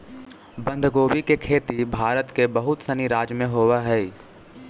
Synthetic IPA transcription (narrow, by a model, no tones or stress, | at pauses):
bə̃nd̪ʱɡoːwikekʰeːt̪ibʱaːɾət̪kebəɦʊt̪səniɾaːd͡ʒmẽɦoːwaɦɛː